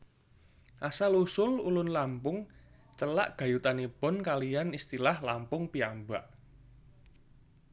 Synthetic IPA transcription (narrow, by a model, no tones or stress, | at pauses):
ʔasalusʊlulʊnlampʊŋ | t͡ʃəla̰ʔɡ̥a̤jut̪anipʊnkalijanist̪ilahlampʊŋpiambaʔ